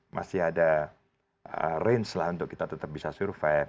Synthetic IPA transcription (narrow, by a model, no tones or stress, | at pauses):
mʔa̰sɪada | ə̰rɛnslahunt̪ʊkːit̪at̪ət̪əp̚bisasuɾfa